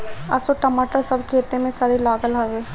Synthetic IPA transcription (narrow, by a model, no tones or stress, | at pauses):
ɐ̰soʈəmaːʈəɾsɐbkʰeːt̪emẽsaːɾelaːɡəlɦɐʋeː